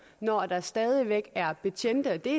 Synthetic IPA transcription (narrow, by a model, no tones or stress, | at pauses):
nɒd̥ɑ̈sd̥ɛːð̞ˠiʋeɡ̥æɐb̥e̝t͡ɕʰen̰d̥əd̥e̝